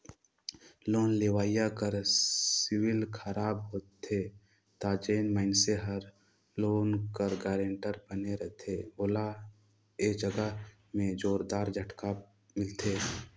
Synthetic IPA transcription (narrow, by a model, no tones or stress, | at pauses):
loːnleːʋaːjakəɾsɪwɪlkʰəɾaːbɦoːt̪e | t̪aːd͡ʒeːnməɪnseɦəɾ | loːnkəɾɡaːɾẽːɳʈəɾbəneɾəɦt̪ʰeboːla | eːd͡ʒəɡəɦ | mẽd͡ʒoːɾd̪aːɾd͡ʒʱəʈka | mɪlt̪ʰeː